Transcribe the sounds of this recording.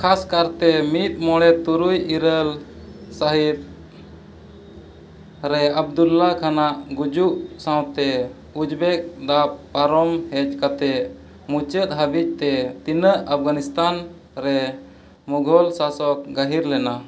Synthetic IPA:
kʰaskaɾt̪ɛmit̪̚mɔɽɛt̪uɾujiɾəl | saɦit̪̚ | ɾɛab̚d̪ulːakʰanaʔɡud͡ʒuʔsãw̃t̪ɛ | ud͡ʒbɛk̚d̪ap̚paɾɔmhɛt͡ʃkat̪ɛʔ | mut͡ʃət̪̚ˀɦəbit͡ʃ̚t̪ɛt̪inəʔəp̚ʰɡanist̪an | ɾɛ | muɡʱɔlsasɔk̚ɡəɦiɾlɛna

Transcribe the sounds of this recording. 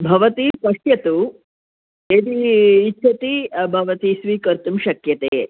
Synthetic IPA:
bʱɐʋɐt̪ispɐʂjɐt̪u | eːd̪iːtːʃʰɐt̪ibʱɐʋɐt̪isʋiːkɐɾt̪umʃɐkjɐt̪eː

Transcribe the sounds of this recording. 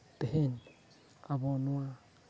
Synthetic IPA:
t̪eɦen | aβonua

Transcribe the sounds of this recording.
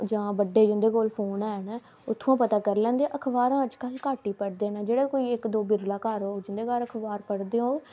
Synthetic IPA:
d͡ʒãːbəɖːeːd͡ʒɪ̃nd̪eːkoːlpʰoːnɛːnɛː | ʊt̪ʰːãːpət̪aːkəɾlɛ̃ːnd̪eːʔəkʰbaːɾãːəd͡ʒkəlkaːʈiːpəɽd̪eːnɛːd͡ʒeːɽeːkoːiːɪkd̪oːbɪɾɡlaːkaːɾoːd͡ʒɪ̃nd̪eːkaːɾəkʰbaːɾpəɽd̪eːõːeː

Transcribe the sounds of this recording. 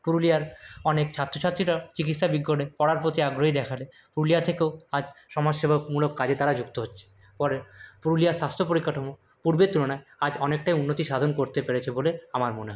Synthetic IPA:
puɾulijaɾɔnekt͡ɕʰat̪ːɾot͡ɕʰat̪ːɾiʈat͡ɕikit̪ʃabiɡːoɽepɔɽaɾpot̪iaɡɾoɦid̪ɛkʰale | puɾulijat̪ʰekeoad͡ʑʃɔmad͡ʑʃebʱokmulokːad͡ʑet̪aɾad͡ʑukt̪oɦotːɕʰe̥ | pɔɾepuɾulijaʃast̪ʰopoɾikːaʈʰomo | puɾbet̪ːuɾonaead͡ʑɔnek̚ʈajunːot̪iʃad̪ʱonkoɾt̪epeɾet͡ɕʰeboleamaɾmoneɦɔe

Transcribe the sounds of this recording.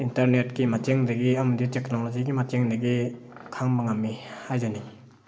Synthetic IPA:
intɐɾnetkimateŋdɐɡiɐmɐditeknolod͡ʒiɡimateŋdɐɡi | kʰaŋbɐŋamːihajzani

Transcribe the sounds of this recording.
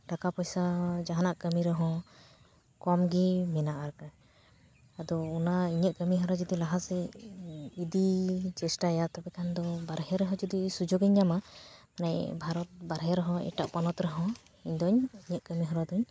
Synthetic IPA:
ʈakapɔjsad͡ʒaɦanaʔkəmiɾɛɦɔ̃ | kɔmɡimɛnaʔaɾka | ad̪ɔːnaiɲəʔ̪̚kəmiɦɔ̃ɾad͡ʒɔd̪ilaɦasɛ | id̪it͡ʃɛsʈaɛjat̪abɛkʰand̪ɔbaɾɦɛɾɛɦɔ̃d͡ʒɔd̪isud͡ʒoɡɛɲːamamanajbʱaɾɔt̪̚baɾɦɛɾɔɦɔ̃ɛ̰ʈa̰ʔpanɔt̪ɾɛɦɔ̃ | iɲd̪ɔɲiɲəʔ̪̚kəmiɦɔ̃ɾad̪ɔɲ

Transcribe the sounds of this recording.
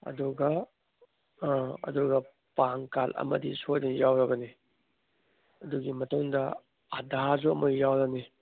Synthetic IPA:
ɐ̰duɡɐ | ɐ̰duɡɐ | paŋkalʔɐ̰mɐ̰disojnɐjawɾɐɡɐni | ɐduɡimɐtuŋdɐ | adazuɐmɐɡijawɾɐni

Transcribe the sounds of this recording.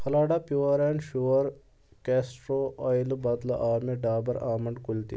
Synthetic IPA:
pʰɐlaːɖapjuːɾeːnʃuʋɐɾ | keːsʈɾoːɔːjlubɐt̪la̰ʔaːɾmeɖaːbɐɾaːmɐɳɖkʊlt̪ḭ

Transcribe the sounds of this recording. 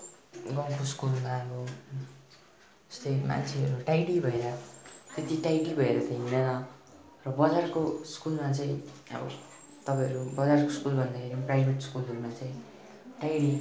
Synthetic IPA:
ɡʌŋkoskulmaʌbʌ | ʌ̥st̪ʌjma̰nt͡sʰeʌɾuʈajɽibʱʌeɾʌt̪et̪iʈajɽibʱʌeɾʌt̪ʌjinʌnʌ | rʌbʌd͡zarkoskulmat͡saĩʌ̰bʌ̰ | t̪ʌpãj̃ɦʌɾubʌd͡zarkoskulbʱʌnd̪akʰeɾiprajbʱeʈskulɦʌɾumat͡saĩ | ʈajɽi

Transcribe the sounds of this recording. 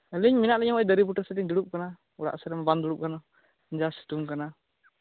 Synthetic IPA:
əliɲminaʔlɛɲɔŋajd̪əɾibuʈəsɛdiɲd̪uɽup̚kana | uɽa̰ʔsɛɾɛmaband̪uɽup̚kana | ɲd͡ʒasi̥t̪uŋkana

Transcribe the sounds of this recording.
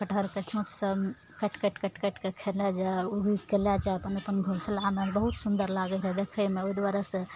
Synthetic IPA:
kəʈʰəɾket͡ʃõt̪sə | kəʈkəʈkəʈkəʈkekʰelɛd͡ʒɛuɡikelad͡ʒaəpənəpənɡʱoslamabəɦut̪sund̪əɾlaɡəɾəɦɛd̪ekʰəjmeoid̪waɾəsə̃

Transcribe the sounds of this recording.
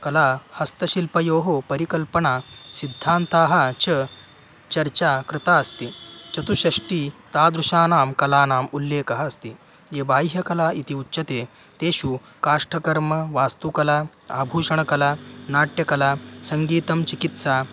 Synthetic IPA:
kɐlahɐst̪ɐɕilpɐjoːɦopɐɾikɐlpɐɳasid̪ʱːaːnt̪aːɦat͡ɕɐ | t͡ɕɐɾt͡ɕakɾɪt̪aːɐst̪it͡ʃɐt̪uɕɐʂʈiːt̪aːd̪ɾuʃaːnaːmkɐlaːnaːmulːeːkɐɦaːst̪i | jebaːjɦjɐkɐlaːit̪iutːɕɐt̪e | t̪eːɕuː | kaːʂʈɐkɐɾmɐʋaːst̪ukɐla | a̰bʱuːʂɐɳɐkɐlanaːʈjɐkɐlasɐŋɡiːt̪ɐmt͡ɕikit̪saː

